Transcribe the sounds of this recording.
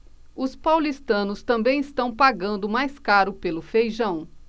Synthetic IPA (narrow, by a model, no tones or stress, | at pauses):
ʊspawlist̪ɐ̃nʊst̪ɐ̃mbẽj̃ɪst̪ɐ̃w̃paɡɐ̃nd̪ʊmajskaɾʊpelʊfejʒɐ̃w̃